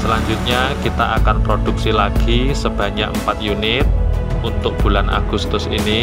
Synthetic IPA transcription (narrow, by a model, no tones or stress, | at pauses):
səlaɲd͡ʒʊt̪̚ɲakit̪aʔakanpɾod̥uk̚silaɡ̥isəb̥ä̤ɲakəmpat̪̚junɪt̪̚unt̪ʊk̚b̥ulanʔa̰ɡ̥ust̪ʊsini